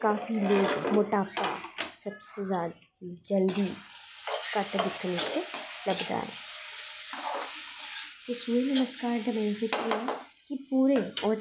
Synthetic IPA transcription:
kaːfiloːɡmʊt̪aːbka̰sɐbsezaːd̪ | kid͡ʒɐld̪i | kaʈ̪bɪkːənet͡ʃelɐbd̪a̰ːḛ̃ː | kɪsuːɾenɐməskaːɾɖ̪ɐmɛ̃ːnfɪtiɛ | kipuːɾeɔː

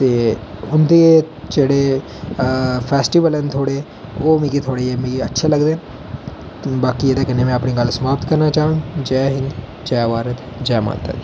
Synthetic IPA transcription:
t̪eːʊnd̪eː | d͡ʒeːɽeː | pʰɛːsʈiʋəlɛːnt̪ʰoːɽe | oːmĩːkit̪ʰoːɽeːemĩətːʃʰaləɡd̪eːn | baːkieːd̪aːkɪnːeːmɛ̃ːəpniːɡəlsəmaːpət̪kəɾnaːt͡ʃaːə̃ŋɡd͡ʒɛːɦɪ̃ŋɡ | d͡ʒɛːʋaːɾət̪ | d͡ʒɛːma̰ːt̪ə̰t̪

